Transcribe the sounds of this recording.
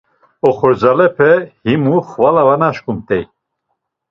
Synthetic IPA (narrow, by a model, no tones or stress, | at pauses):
ɔχɔɾd͡zalɛpʰɛhimuχvalavanaʃkumt̪ʼɛj